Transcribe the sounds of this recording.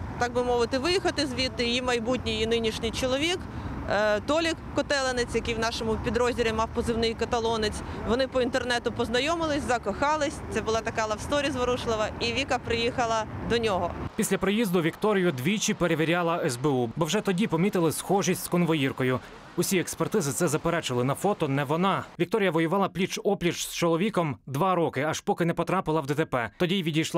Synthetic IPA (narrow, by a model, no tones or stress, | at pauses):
t̪ɑɡ̚bɪmɔʋɪt̪ɪʋɪjixɐt̪ɪzʋʲit̪ːɪjimɐjbutʲnʲijinɪnʲiʃnʲɪjt͡ʃɔlˠɔʋʲik | t̪ɔlʲɪkkɔt̪ɛlˠenɪt͡sʲjɐkɪjwnɑʃɔmʊpʲid̪ɾɔzʲiɾʲimɑwpɔzɪwnɪjkɐt̪ɐlˠɔnɪt͡sʲʋɔnɪpɔint̪ernɛt̪ʊpɔznɐjɔmɪlˠɪsʲzɐkɔxɑlˠɪsʲt̪ɛbʊlˠɑt̪ɐkɑlˠɐwst̪ɔɾʲizʋɔɾuʃlˠɪʋɐiʋʲikɐpɾɪjixɐlˠɐd̪ɔnʲɔɦɔpʲisʲlʲɐpɾejizd̪ʊʋʲikt̪ɔɾʲijʊd̪ʋʲit͡ʃipeɾeʋʲiɾʲɑlˠɐɛzbɛubɔwʒɛt̪ɔdʲipɔmʲit̪ɪlˠɪsxɔʒisʲtʲskɔnʋɔjirkɔjʊ | ʊsʲiɛkspert̪ɪzɪt̪sɛzɐpeɾɛt͡ʃɪlˠɪnɐfɔt̪ɔnɛʋɔnɑʋʲikt̪ɔɾʲijɐʋɔjʊʋɑlˠɐplʲit͡ʃɔplʲit͡ʃst͡ʃɔlˠɔʋʲikɔmd̪ʋɑɾɔkɪɐʃpɔkɪnɛpɔt̪ɾɑpɪlˠɐwd̪ɛt̪epɛt̪ɔdʲijʋʲidʲijʃlˠ